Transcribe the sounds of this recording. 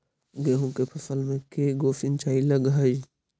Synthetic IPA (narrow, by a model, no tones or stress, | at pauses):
ɡeːɦũkepʰɐsəlmẽkeːɡoːfint͡ʃaːiləɡɦɐi